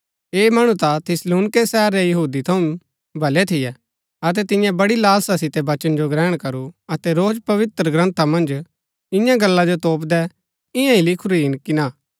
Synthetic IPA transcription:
eːmɐɽ̃ũt̪at̪ʰɪsluːnɪkesɛɦəɾːɛjɐɦuːd̪it̪ʰɐũ | bʱɐlɛt̪ʰɪjɛ | ɐt̪̬ɛt̪ɪ̃jãbɐɽilaːlsasɪt̪ɛbɐt͡ʃənd͡ʒoɡɾɛːɽ̃kɐɾuɐt̪ɛɾoːd͡ʒpɐʋɪt̪ɾəɡɾɐ̃nt̪ʰamɐ̃nd͡ʒ | ɪ̃jãɡɐlːad͡ʒot̪oːp̬d̪ɛ | ɪ̃jãilɪkʰʊɾiɦɪnkina

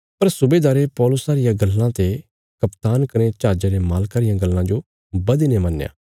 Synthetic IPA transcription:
pɐɾsʊbeːd̪aːɾepɔːlʊsaːɾɪjãɡɐlːãt̪e | kɐpt̪aːnkɐɾ̃ẽt͡ʃaːd͡ʒaɾemaːlkaːɾɪjãɡɐlːãd͡ʒo | bɐd̪inemɐnːjã̰ː

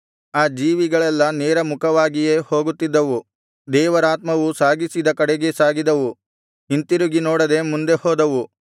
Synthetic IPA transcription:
aːd͡ʒiːʋiɡɐɭɛlːɐneːɾɐmukʰɐʋaːɡije̞ːho̞ːɡut̪ːid̪ːɐʋu | d̪ɛːʋɐɾaːt̪mɐʋusaːɡisid̪ɐkɐɽeɡe̞saːɡid̪ɐʋu | int̪iɾuɡinoːɽɐd̪e̞mund̪e̞hoːd̪ɐʋu

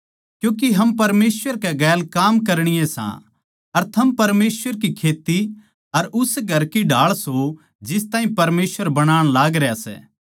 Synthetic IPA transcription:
kjũːk̬iɦɐmpɐɾmeːswəɾkɛɡɛːlkaːmkɐɾɽ̃ɪjẽsã̰ | ɐɾt̪ʰɐmpɐɾmeːsʋəɾkikʰeːt̪i | ɐɾʊsɡʱɐɾkiɖʱaːɭso | d͡ʒɪst̪ãːɦĩpɐɾmeːsʋəɾbɐɽ̃aːɽ̃laːɡɾɛjasɛ̰ː

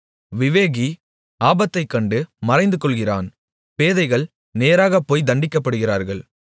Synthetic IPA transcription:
ʋɪʋeːɣi | aːbɐt̪ːɐɪkːɐɳɖɯmɐɾɐɪnd̪ɯkɔɭɣɪra̰ːn | peːðɐɪɣɐɭ | neːɾaːɣɐpːoːjd̪ɐɳɖɪkːɐpːɐɽɯɣɪraːɾɣɐɭ

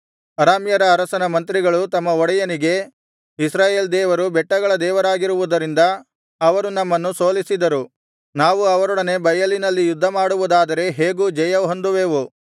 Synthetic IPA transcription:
ɐɾaːmjɐɾɐːɾɐsɐnɐmɐnt̪ɾiɡɐɭut̪ɐmːɐɔɽɐjɐniɡe̞ | isɾaːje̞ːld̪ɛːʋɐɾubɛʈːɐɡɐɭɐd̪ɛːʋɐɾaːɡiɾuʋud̪ɐɾind̪ɐ | ɐʋɐɾunɐmːɐnːuso̞ːlisid̪ɐɾu | naːʋuɐʋɐɾɔɽɐne̞bɐjɐlinɐlːijud̪ʱːɐmaːɽuʋud̪aːd̪ɐɾe̞ɦe̞ːɡud͡ʒɐjɐɦond̪uʋeːʋu

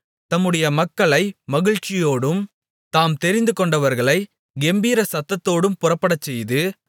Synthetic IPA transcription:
t̪ɐmːɯɽɐjɐmɐkːɐɭɐɪmɐɣɪɻt͡ʃːɪjoːɽɯm | t̪aːmt̪ɛɾɪnd̪ɯkɔɳɖɐʋɐɾɣɐɭɐɪ | ɡɛmbiːɾɐsɐt̪ːɐt̪ːoːɽɯmpʊrɐpːɐɽɐt͡ʃːɛjðɯ

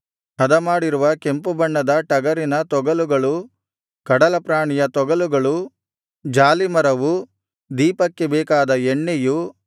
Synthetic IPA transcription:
hɐd̪ɐmaːɽiɾuʋɐke̞mpubɐɳːɐd̪ɐʈɐɡɐɾinɐt̪ɔɡɐluɡɐɭu | kɐɽɐlɐpɾaːɳijɐt̪ɔɡɐluɡɐɭu | d͡ʒaːlimɐɾɐʋu | d̪iːpɐkːebɛːkaːd̪ɐeɳːeju

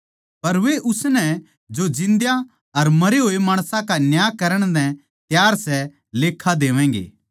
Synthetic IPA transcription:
pɐɾʋeʔʊsnɛ | d͡ʒod͡ʒɪ̃nd̪ja | ɐɾmɐɾeɦoːemaːɽ̃sãkanjaːkɐɾəɽ̃d̪ɛ̃ | t̪jaːɾsɛ | leːkʰːad̪eːʋɛ̃ːŋɡḛː

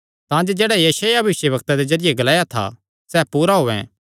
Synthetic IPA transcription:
t̪ãːd͡ʒod͡ʒɛːɽajɐʃaːjabʋɪʃjəbɐkt̪ad̪ezɐɾɪjeɡɐlaːjat̪ʰa̰ | sɛːpuːɾaɦoːɛ̰̃

